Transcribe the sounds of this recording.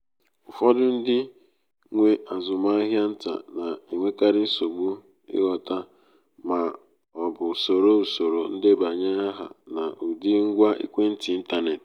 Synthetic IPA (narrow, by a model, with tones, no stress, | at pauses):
ʊ˨fɔ˦dʊ˦n̩˦dɪ˦ | ŋʷe˦a˨zʊ˨ma˦a˦ɦja˦n̩˦ta̰˨na˨i˨ŋʷe˦ka˦ɾɪ˦n̩˦so˨ɡ͡bu˦ | ɪ̰˦ɣɔ˨ta˦ | ma˨ | ɔ˨bʊ˨so˨ɾo˦u˨so˨ɾo˨n̩˦dɪ˦ba˨ɲa˦a˦ɦa̰˨na˨ʔu˨di˦ŋ̩˦ɡʷa˦ḭ˦kʷe˦n̩˦tɪ˨˦n̩˦ta˦ne˨t